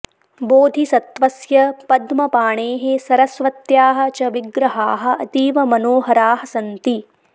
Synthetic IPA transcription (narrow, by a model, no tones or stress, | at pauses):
boːd̪ʱisɐt̪ʋɐsjɐpɐd̪mɐpaːɳeːɦesɐɾɐsʋɐt̪jaːɦɐ̆t͡ʃɐʋiɡɾɐɦaːɦɐ̆ɐt̪iːʋɐmɐnoːɦɐɾaːɦɐsɐnt̪i